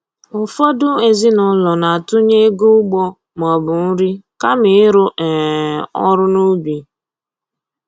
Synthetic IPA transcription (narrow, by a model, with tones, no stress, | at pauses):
ʊ˨fɔ˦dʊ˦e˨zi˦nʊ˨˦lɔ˨na˨a˨tʊ˦ɲe˦ɡu˦ʊ˦ɡ͡bɔ˦ | m˨ɔ˨bʊ˨n̩˦ɾi˦ka˦mɪ˨˦ɾʊ˦ʔɛ˨ɔ˦ɾʊ˦nu˦bi˨